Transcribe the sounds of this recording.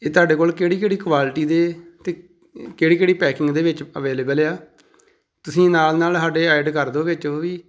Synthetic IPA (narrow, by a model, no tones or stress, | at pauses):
eːt̪ʊaːɖeːkoːlkeːɽiːkeːɽiːkʋaːlʈiːd̪eːt̪eː | keːɽiːkeːɽiːpɛːkɪ̃ŋɡd̪eːʋɪt͡ʃəʋeːleːbəlaː | t̪ʊsĩːnaːlnaːlsaːɖeːaːɪɖkəɾd̪õːʋɪt͡ʃoːʋiː